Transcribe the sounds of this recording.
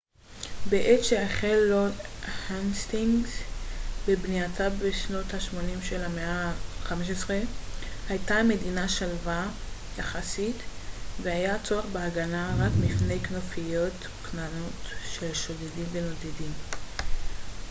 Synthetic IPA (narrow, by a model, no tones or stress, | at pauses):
beʔetʃeaχelːohanst̪iŋɡzbebniatʰabeʃno̞t̪haʃmo̞nimʃelameʔaχameʃesʁehajtame̞dinaʃalva | jaχasitveajat͡soeχbeaɡanaʁakmifne̞jknofijo̞t | knanotʃelʃo̞dedimveno̞d̪edim